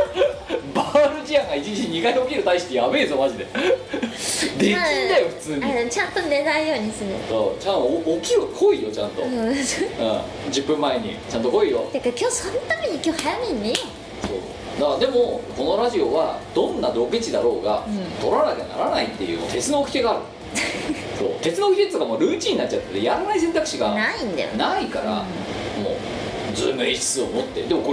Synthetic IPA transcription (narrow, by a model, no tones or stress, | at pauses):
baɾɯ̟d͡ʑiãŋɡait͡ɕid͡ʑiɲɲikad̪eokʲiɾɯ̟t̪aiɕi̥t̪ejabeːzomad͡ʑid̪e̞ | d̪e̞kʲĩnd̪ajoɸɯ̟̥t͡sɨːɲiat͡ɕãnt̪one̞naijo̞ːɲ̟isɨɾɯ̰soːt͡ɕãːkʲiɾɯ̟kʰoijo̞t͡ɕã̰nt̪o̞̰soɯ̰̃ | d͡ʑɨpːɯ̟̃mːaeɲ̟ḭt͡ɕãnt̪okoijo̰d̪akakʲoːsõnt̪amʲiɲ̟ikʲo̞ːhajamʲinːejo | soːso̰ | d̪akad̪e̞mo̞ko̞no̞ɾaʑio̞βad̪̥õ̞nːad̪o̞ɡɯt͡ɕid̪aɾo̞ːɡat̪o̞ɾanakena̰ɾanait̪ːe̞jɯ̟̰ːmo̰t̪e̞t͡sɨnoːkʲi̥ke̞ɡaːɾɯ̟ | so̞̰ːt̪e̞t͡sɨnoːkiket̪ːet̪okamoːɾɯ̟ːt͡ɕĩɲ̟inat͡ɕːat̪ːet̪ːejaɾanais̬ẽnt̪akɯ̟̥ɕiɡanaĩnd̪a̰jo̰naikaɾa̰ | mo̰ː | d͡zɨ̰ːmɯ̟iɕi̥t͡sɨomot̪ːe̞̰d̪emoko